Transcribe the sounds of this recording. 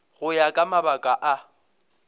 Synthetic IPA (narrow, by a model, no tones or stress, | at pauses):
ɣʊjakʼamabakʼaʔa